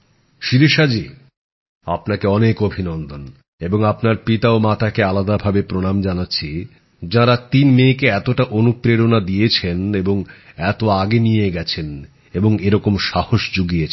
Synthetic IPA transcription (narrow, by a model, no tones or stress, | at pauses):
ʃiɾeʃad͡ʑi | apnakeɔnekobʱinɔnd̪ʱon | eboŋapnaɾpit̪aomat̪ʰakealad̪abʱabepɾonamd͡ʑanatːɕʰi | d͡ʑaɾat̪inmekeɛt̪oʈaʔonupɾeɾonad̪ijet͡ɕʰeneboŋɛt̪oaɡenijeɡɛt͡ɕʰen | eboŋeɾɔkomʃahoʃd͡ʑuɡiet͡ɕʰ